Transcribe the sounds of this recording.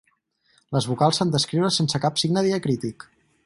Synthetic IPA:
ləzβukalˠsand̪əskɾiwɾəsensəkapsiɡnəðiəkɾit̪ik

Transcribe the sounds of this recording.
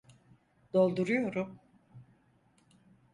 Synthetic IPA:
d̪̥o̞lˠd̪uɾujo̞ɾum

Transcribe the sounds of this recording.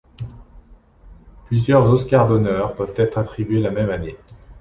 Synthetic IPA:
plyzjœʁzɔskʲaʁd̪ɔnœʁpœvt̪ɛt̪χat̪χibɥelamɛmane

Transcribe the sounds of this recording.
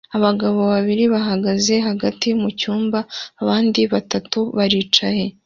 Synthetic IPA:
aβaɡaβo̞βaβiɾiβaɦaɡaze̞ɦaɡatimucuːmbaːβaːndiβatatuβaɾiːt͡ʃaje̞

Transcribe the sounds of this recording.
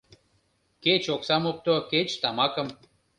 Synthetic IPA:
ket͡ɕoksamop̚t̪oket͡ɕt̪amɑkəm

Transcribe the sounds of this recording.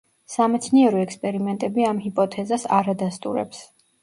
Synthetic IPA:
samɛt̪sʰniɛɾɔɛkspʼɛɾimɛnt̪ʼɛbiamhipʼɔt̪ʰɛzasa̰ɾad̪ast̪ʼṵɾɛ̰ps

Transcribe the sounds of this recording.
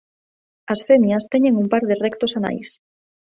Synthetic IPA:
ɐsfemjɐst̪ɛɲeŋumpaɾðɪrɛkt̪osana̰js

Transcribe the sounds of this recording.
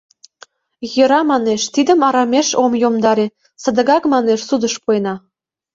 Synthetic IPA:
jəɾɑmɑneʃt̪id̪ə̆mɑɾɑmʲeʃomjomd̪ɑɾe | sə̆d̪ə̆ɣɑkmɑneʃsud̪ə̆ʃpuenɑ

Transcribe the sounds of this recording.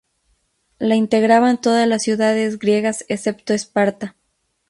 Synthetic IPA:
laint̪e̞ɣɾaβaent̪o̞ðazlasːjuðaðe̞zɣɾje̞ɣasese̞pt̪oespaɾt̪a

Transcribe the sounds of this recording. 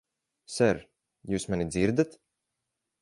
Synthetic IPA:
sɛɾ | juːsmanid̪ziɾd̪at̪

